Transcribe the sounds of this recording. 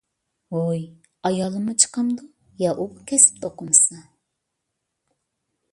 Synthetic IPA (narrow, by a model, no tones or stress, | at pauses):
oj | ɑjɑlˠɨmɨt͡ʃʰə̥qʰɑmd̪u | jɑʔubukʲʰɛsɪ̥p̚t̪ʰoqʊmɨsɑ